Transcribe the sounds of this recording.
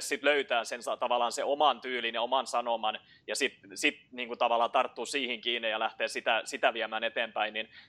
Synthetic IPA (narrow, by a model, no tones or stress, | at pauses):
ssit̪løyt̪æːsensɑt̪ɑʋɑlˑɑːnseomɑnt̪yːlineomɑnsɑnomɑn | jɑsit̪sit̪niːŋkut̪ɑʋɑlːˑɑːt̪ɑrt̪ːuːsiːhiŋkiːnːijɑlæht̪eːsit̪æsit̪æʋiæmæːnet̪eːmpæinnin